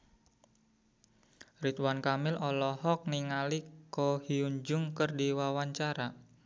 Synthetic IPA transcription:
rit̪wankamɪlʔɔlɔhɔk̚niŋalikɔhiuɲd͡ʒʊŋkərdiwawaɲt͡ʃaɾa

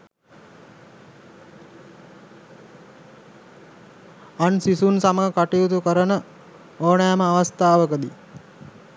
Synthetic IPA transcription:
ansisunsaməɦəkaʈijut̪̬ukəɾənə | oːnaːməaʋast̪aːʋəkəd̪i

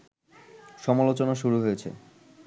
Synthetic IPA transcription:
ʃɔmalot͡ɕonaʃuɾuɦojet͡ɕʰḛ

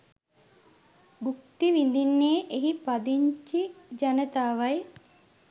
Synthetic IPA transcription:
ɡuk̚t̪iʋin̆d̪inːeːʔeɦipad̪iɲt͡ʃid͡ʒanət̪aːʋɐj

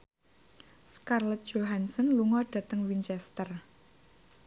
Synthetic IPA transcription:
skarlət̪̚ʒ̥oɦansɔnluŋɔɖ̥ä̤t̪əŋwint͡ʃɛst̪ər

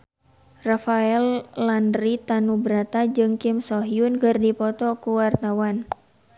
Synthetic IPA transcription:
rafaɛllandrit̪anubɾat̪ad͡ʒɨŋkɪmsɔɦiunkɨrdipɔt̪ɔkuwart̪awan

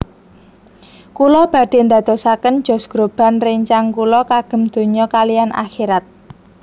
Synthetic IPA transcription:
kulɔb̥a̤d̪̥e̤nd̪a̤d̪̥o̤sakən̥d͡ʒ̥ɔ̤sɡ̥ɾob̥a̤nrɪŋt͡ʃaŋkulɔkaɡ̥ə̤md̪̥o̤ɲɔkalijanʔa̰xiɾat̪̚

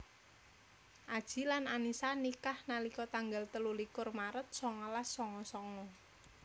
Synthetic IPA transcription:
ʔad̥ʒ̥i̤lananisanikahnalikɔt̪aŋɡalt̪əlulikʊrmaɾət̪̚sɔŋɔlasːɔŋɔsɔŋɔ

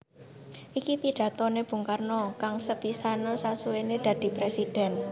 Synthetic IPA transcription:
ʔikipiɖ̥ä̤t̪ɔneb̥ṳŋkarnɔkaŋsəpisanɔsasuened̪̥ä̤d̪̥i̤pɾesid̥ɛ̤n

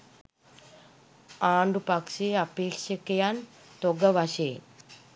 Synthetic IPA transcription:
aːɳɖupɐkʂeːɐpeːkʂɐkɐjaːn | t̪oɡɐʋaɕeːn

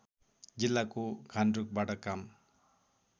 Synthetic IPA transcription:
d͡zilːakoɡʱanɖɾuk̚baʈʌkam

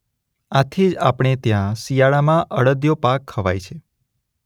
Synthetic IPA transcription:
at̪ʰid͡ʒapɽ̃et̪jãsijaɭamãʔəɽəd̪jopakʰːəʋa̰jt͡ʃʰe

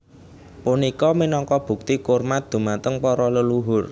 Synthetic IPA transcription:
punikɔminɔŋkɔb̥ṳk̚t̪ikormad̪̥ṳmat̪əŋpɔɾɔləluɦʊr

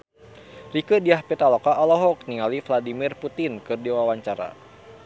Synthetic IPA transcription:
rikədiahpɛt̪alɔkaɔlɔɦɔk̚niŋalifladimirput̪inkɨrdiwawaɲt͡ʃaɾa̰

